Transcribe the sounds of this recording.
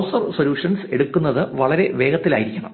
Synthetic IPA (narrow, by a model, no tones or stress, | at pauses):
wsɐrso̞ljuːʂɐnse̞ɽukːunːɐðɨʋɐɭɐɾeʋe̞ːɡɐt̪ːilaːjiɾikʲːɐɳɐ̰m